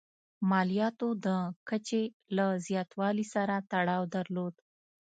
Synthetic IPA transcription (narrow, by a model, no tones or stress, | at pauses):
mɑlijɑt̪od̪əkət͡ʃe | lazjɑt̪wɑlisaɾat̪aɽɑwd̪aɾlod̪